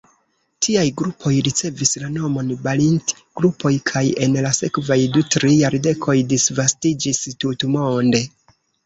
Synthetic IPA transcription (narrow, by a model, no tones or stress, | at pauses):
tʰiajɡɾupʰo̞jɾit͡se̞vislano̞mo̞nbalint | ɡ̥ɾupʰo̞jkʰaje̞nlase̞kvajdutɾijaɾde̞kʰo̞jdisvastid͡ʒistutmo̞nde̞